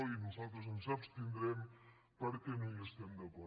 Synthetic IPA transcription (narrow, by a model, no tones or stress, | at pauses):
inuzalˠt̪ɾəznsapst̪ind̪ɾɛm | pəɾkɛnũəst̪ɛmd̪əkɔ